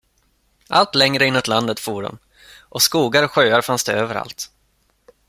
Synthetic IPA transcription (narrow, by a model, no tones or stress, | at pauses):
ʔalt̪lɛŋɾəɪnːʊt̪land̪ət̪fuːɖɔ̰m | ʔɔskuːɡaɾɔɧøːaɾfansd̪ɛøːvəɾa̰lt̪